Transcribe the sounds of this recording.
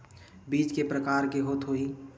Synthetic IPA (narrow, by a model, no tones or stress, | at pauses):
biːt͡ʃkepɾəkaːɾkeɦoːt̪ɦoi